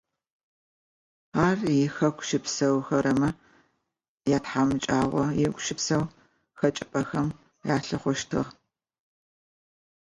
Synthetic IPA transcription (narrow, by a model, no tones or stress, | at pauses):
aːrjɪxɐkʷʃɪpsɐwxɐɾɐmɐ | jaːtħamɨt͡ʃʼaːʁʷɔjɪɡʷʊʃɪpsɐw | xɐt͡ʃʼɪpʼɐxɐm | jaːɬɨχʷɔʃtʰɨ̰ʁ